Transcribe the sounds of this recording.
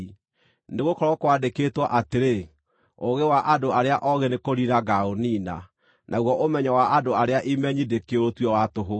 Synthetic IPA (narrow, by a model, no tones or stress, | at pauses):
neɣokɔɾɔkwadekeːtwaʔateɾe | oɣewaʔadoaɾeaʔɔɣenekoɾiɾaɡaoniːna̰ | nʔaɣwɔʔomɛɲawaʔadoaɾeaʔimɛɲidekeotwɛwatoɦo